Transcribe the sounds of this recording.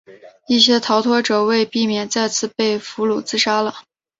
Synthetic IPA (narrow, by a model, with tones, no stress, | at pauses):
i˥˩ɕjɛ˥t̪ʰɑ˧˥ʊt̪ʰwɔ˥ʈ͡ʂɤ˨˩we˥˧ɪpi˥˩mjɛ˨˩nt͡sa˥˧ɪt͡sʰɹ̩˥˩pe˥˩ɪfu˧˥lu˨˩t͡sɹ̩˥ʂa˥lə˨